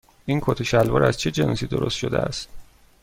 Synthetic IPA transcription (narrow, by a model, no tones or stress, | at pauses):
ʔiːnkʰot̪ʰoʃælvɒ̰ːɾæzt͡ʃʰe̞d͡ʒe̞nɒːsiːd̪o̞ɾost̪ʃo̞d̪eæ̰st̪̚